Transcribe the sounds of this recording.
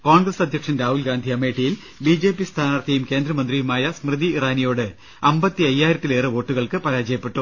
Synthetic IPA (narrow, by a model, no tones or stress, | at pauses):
koːɳɡrɐsɐd̪ʱjɐkʂɐnɾaːɦuːlɡaːnd̪ʱiɐme̞ːʈːijil | biːd͡ʑe̞ːpːist̪ʰaːnaːrt̪ʰjɐjumke̞ːnd̪ɾɐmɐnd̪rijumaːjɐsmrɨd̪iraːnijo̞ːɽɨ | ɐmbɐt̪ːiɐjːaːjiɾɐt̪ːile̞ːrɨʋo̞ːʈːuɣɐɭkɨpɐɾaːd͡ʑɐjɐpːe̞ʈːu